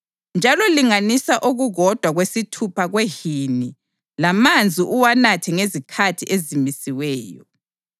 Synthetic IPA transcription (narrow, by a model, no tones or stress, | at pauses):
nd͡ʒʱalɔliŋanisaʔuɣuɣɔd̥ʱwaɣwesitʰupʰaɣwehini | lamand͡zʱiʔuwanatʰɛŋezikʰatʰiʔezimisiwɛːjɔ